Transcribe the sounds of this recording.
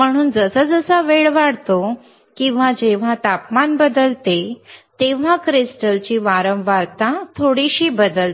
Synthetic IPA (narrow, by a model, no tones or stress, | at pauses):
m̤əɽ̃uːnd͡zəsəd͡zəsaəʋeɭʋaɽt̪o | kĩw̃ʋad͡ʑeʋ̤at̪apmanbəd̪əlt̪et̪eʋ̤akɾisʈəlt͡ɕiːʋaɾəmʋaɾt̪at̪ʰoɽiɕiːbəd̪əlt̪